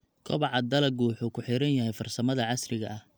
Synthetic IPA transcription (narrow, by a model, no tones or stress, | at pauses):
kʰɔβɑʕɑd̪ɐlɐɡuːħuːkʰʊħɪɾɐnjɐhɛjfɐrsɐmɐðɐʕɑsrɪɣɐʔɐh